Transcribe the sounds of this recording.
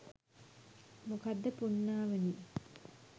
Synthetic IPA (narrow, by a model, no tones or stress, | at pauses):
mukad̪ːəpunːaːʋeni